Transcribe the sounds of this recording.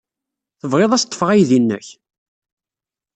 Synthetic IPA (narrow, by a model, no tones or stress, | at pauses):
θəvʁeðˤæst̪ˤːə̥fʁæjðinːə̰ç